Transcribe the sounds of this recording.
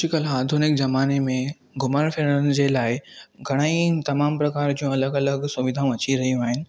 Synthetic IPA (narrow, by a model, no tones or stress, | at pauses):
ʃɪkəlaːd̪ʱunɪkzɐmaːnemẽ | ɡʊmanfʰeɽənd͡ʑelaːɪɡʱɐɽ̃aːĩt̪ɐmaːmpɾɐkaːɾd͡ʑiũɐləɡɐləɡsʊʋɪd̪ʱaũʋɐt͡ɕiɾɐɦijũaːɦɪnɪ̆